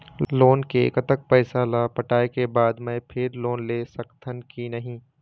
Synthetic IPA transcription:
loːnkekət̪ək̚pɛːsalapɐʈaːekebaːd̪mɛ̃pʰɪɾloːnleːsɐkt̪ʰənkinɐɦĩː

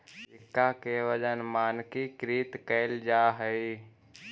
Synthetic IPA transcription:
ɪkːakeʋəd͡ʒənmaːnkikɾiːt̪kɛɪld͡ʒaːɦəi

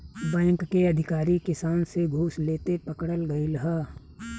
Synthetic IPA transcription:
bɛ̃ːŋkːeɐd̪ʱɪkaːɾikɪsaːnseɡʱuːsleːt̪epɐkɽəlɡəilɦaː

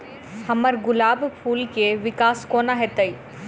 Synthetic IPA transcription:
hɐməɾɡʊlaːbpʰuːlkeʋɪkaːskoːnaɦɛt̪əi

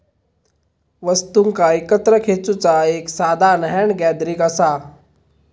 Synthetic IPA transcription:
ʋəst̪uŋkaikət̪ɾəkʰet͡sut͡saeːksad̪ʱanəɦɛɳɡɛd̪ɾikəsa

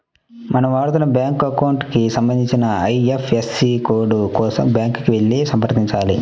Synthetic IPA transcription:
mɐnɐmʋaːɽt̪ulɐbjaːŋkɐkɐwɳʈkisɐmbɐnd̪iɲt͡ʃinɐɐjefʰesːikoːɖukɔːsɐ̰mbjaːŋkkiʋe̞ɭːisɐmpɐɾt̪iɲt͡ʃaːlḭ

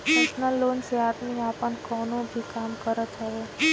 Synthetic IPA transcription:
ɛsnəlːoːnseaːd̪miaːpənkɔːnõbʱikaːmkəɾət̪ɦɛeː

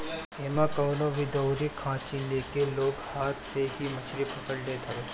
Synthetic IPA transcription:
eːmãkəʋnobʱid̪əwɾikʰãːt͡ʃinekeloːkhaːɾsehimət͡ʃʰɾipəkəɽlet̪ʰəʋeː

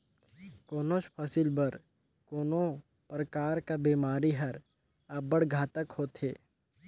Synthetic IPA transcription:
koːnot͡ʃpʰɐsilbəɾ | koːno | pɾəkaːɾkabiːmaːɾiɦɐɾ | əbəɽɡʱaːt̪əkhoːt̪ɦeː

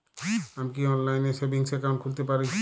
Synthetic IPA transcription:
amkiɔnlajneʃebiŋsɛkaw̃ɳʈ̚kʰult̪epaɾe

